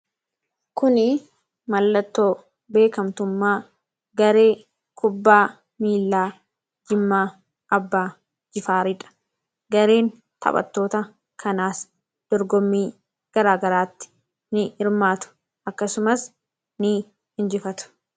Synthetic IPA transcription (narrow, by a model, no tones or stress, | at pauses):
kʊnɪ | mɐlːɐt̪ːo̞ː | be̞ːkɐmt̪ʊmːaː | ɡɐɾe̞ː | kʰʊbːaː | miːlːaː | d͡ʒɪmːaː | ʔɐbːaː | d͡ʒɪfaːɾɪᶑɐ̥ | ɡɐɾeːn | t̪ʰɐ̰pʼɐ̰t̪ːo̞ːt̪ɐ | kʰɐnaːs | d̪̥ɔɾɡɔmːiː | ɡ̥ɐɾaːɡɐɾaːt̪ːɪ̥ | nɪɪɾmaːt̪ʊ̥ | ʔɐkːɐsʊmɐs | nɪ | hɪnd͡ʒɪfɐt̪ʊ̥